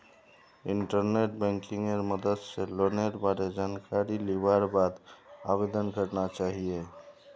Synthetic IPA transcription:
iɳʈəɾneʈbɛ̃ŋkiŋeɾməd̪əd̪seloneʈbaɾed͡ʒankaɾiliʋaɾbad̪abed̪ənɡʱəʈnat͡ʃaɦije

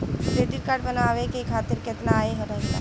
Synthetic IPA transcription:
kɾeɖiɾkaɾɖbənaʋekekʰat̪iɾket̪naːeɦəɾəɦit̪a̰

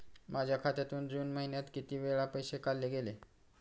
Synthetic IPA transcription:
mad͡ʑʱjakʰat̪jat̪uːnd͡zuːnməɦinjat̪kit̪iːʋeɭapəjsekalːeɡele

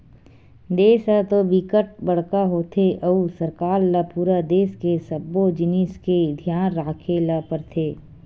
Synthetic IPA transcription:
d̪eːsət̪obikəʈ̚bəɽ̤kaɦoːt̪ʰeʔɐusəɾkaːɾlapuːɾad̪eːskesəbːod͡ʒɪniːsked̪ʱjaːnɾaːkʰelapəɾt̪ʰeː

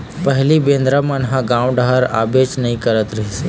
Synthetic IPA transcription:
pɐɦlibẽːnd̪ɾəmɐnɦãɡãːw̃ɖaɦəɾa̰ːbeːt͡ʃnɐɦĩkəɾət̪ɾɐɦise

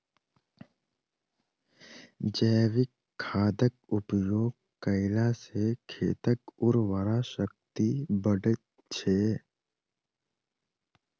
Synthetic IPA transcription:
d͡ʒəːʋɪkʰːaːd̪ək̚ʊpjoːɡ̚ | kəɪlasekʰeːt̪əkʊɾʋəɾaʃək̚t̪ibəɖt̪ | t͡ʃʰeː

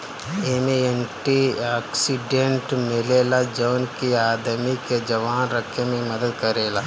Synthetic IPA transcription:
eːmẽeɳʈiaːksiɖẽɳʈmɪleːlad͡ʒoːnkiaːd̪miked͡ʒɐʋaːnɾɐkʰemẽmɐd̪əd̪kɐɾeːla

